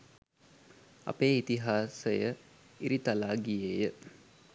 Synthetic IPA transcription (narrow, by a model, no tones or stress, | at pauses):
ɐ̰peːit̪iɦaːsəjə | iɾit̪alaːɡijeːjə